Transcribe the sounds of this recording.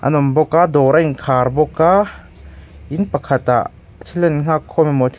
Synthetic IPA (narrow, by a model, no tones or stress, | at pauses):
ʔɐ̰nɔmbɔkad̪ɔːɾaiŋkʰaːɾbɔkːa | ʔinpɐkʰɐt̪aʔ | tʰilɛnŋ̥akʰːɔmɛmɔt̪ʰ